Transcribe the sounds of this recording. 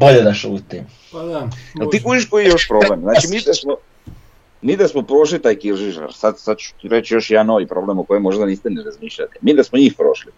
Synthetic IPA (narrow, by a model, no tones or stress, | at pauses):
boʎed̪aʃuːt̪i | eliːkud͡ʒiʃkojijo̞ʃpɾo̞blemznaːt͡ʃimiːd̪asmo | miːd̪asmopɾo̞ʃlit̪aːjkiɾʒiʒa̰ɾsad̪sad̪̚t͡ʃu̥ɾet͡ɕjoʃjanoʋipɾo̞blemoko̞jemo̞ʒd̪aniːst̪ɛneɾazmiːʃʎat̪imiːd̪asmoɲiːxpɾo̞̰ʃli